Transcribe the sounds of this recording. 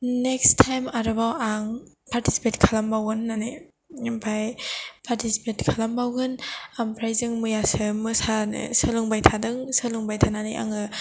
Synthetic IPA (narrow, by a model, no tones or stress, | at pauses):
nekstʰajmaɾɯbawaŋpʰaɾtisi̥petkʰalambawɡɯnːanɯj | impʰajpʰaɾtʰisi̥petkʰalambawɡɯnampʰɾajzɯŋmɯjasɯmɯsanɯ̰sɯluŋbajtʰadɯŋsɯluŋbajtʰananajʔa̰ŋɯ